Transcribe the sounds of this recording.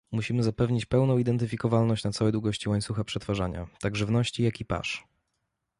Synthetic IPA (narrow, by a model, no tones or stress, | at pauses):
muɕimɘzapɛvɲit͡ɕpɛwnɔ̃w̃id̪ɛnt̪ɘfʲikɔvalnɔɕt͡ɕnat̪sawɛd̪wuɡɔɕt͡ɕiwaɲt̪suxapʂɛt̪faʐaɲa̰t̪aɡʐɘvnɔɕt͡ɕijakʲipa̰ʂ